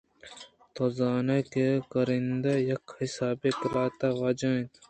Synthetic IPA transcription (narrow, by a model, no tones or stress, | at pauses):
t̪ozaːnakekɐɾind̪ajɐkhɪsaːbikɾaːt̪aʋɐd͡ʒãːt̪